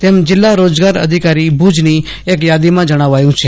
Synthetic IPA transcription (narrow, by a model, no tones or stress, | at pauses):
t̪eːmd͡ʒɪlːaɾoːd͡ʒɡaːɾə̰d̪ʱɪkaːɾibʱuːd͡ʒni | eːkjaːd̪imãd͡ʒəɽ̃aːʋaːjũt͡ʃʰe